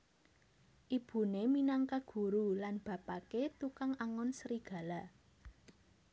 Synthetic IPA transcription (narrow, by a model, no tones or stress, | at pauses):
ʔib̥ṳneminaŋkaɡ̥ṳɾulanb̥ä̤paket̪ukaŋaŋɔnsəɾiɡ̥ä̤la